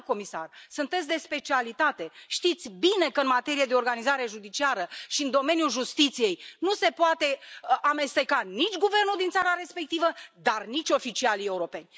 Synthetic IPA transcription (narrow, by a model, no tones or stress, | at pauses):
ko̞misa̰rsunt̪esʲd̪e̞spe̞t͡ʃialit̪at̪e̞ʃt̪it̪sʲbine̞kəɨnmat̪e̞ɾijed̪eo̞rɡanizaɾe̞ʒud̪it͡ʃiaɾəʃiɨnd̪o̞me̞njulʒust̪it̪sije̞jnuse̞poat̪e̞ame̞st̪e̞kanit͡ʃʲɡuve̞rnuld̪int̪saɾaɾe̞spe̞k̚t̪ivəd̪arnit͡ʃʲo̞fit͡ʃialie̞uɾo̞pe̞nʲ